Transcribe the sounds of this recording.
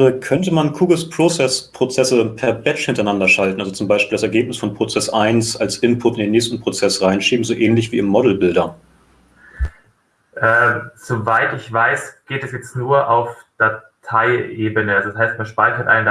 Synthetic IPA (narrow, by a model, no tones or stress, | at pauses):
əkʰœntəmankʰuːɡl̩spʁ̥ot͡sɛspʁ̥ot͡sɛsəpʰɛɐbɛt͡ʃhɪntɐaɪnandɐʃaltn̩alzot͡sʊmbaɪʃpiːldas̬ɛɐɡeːp̚nɪsfɔnpʁ̥ot͡sɛsʔaɪnsalsʔɪmpʰʊtɪndeːnːɛːçstn̩pʁ̥ot͡sɛsʁaɪnʃiːbm̩zoːʔɛːnlɪçv̥iːɪmːɔdl̩bɪldɐ | ʔɛːz̥ovaɪtɪçv̥aɪsɡ̥eːtɛsjɛt͡stnuːɐʔaʊfd̥atʰaɪʔeːbənəalzoshaɪstmanʃpaɪçɐtʔa̰ɪn